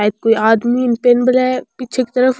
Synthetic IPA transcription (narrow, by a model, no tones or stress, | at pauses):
aːjəd̪̚koːiaːd̪miɪnpeːnbəlɦɛːpiːt͡ʃʰeki̥t̪ɐɾəf